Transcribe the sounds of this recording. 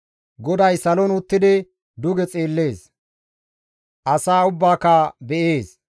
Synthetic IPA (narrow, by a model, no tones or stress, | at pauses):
ɡɔd̪ɐjsɐlɔnʊt̪ːɪd̪ɪ | d̪ʊɡɛt͡sʼeːlːe̞ːs | ʔɐsaːʊbːaːkabɛʔe̞ːs